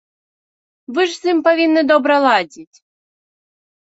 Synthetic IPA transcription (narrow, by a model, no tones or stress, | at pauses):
vɨʐsɨmpɐvʲinːɨd̪ɔbɾɐlˠɑdʲitʲ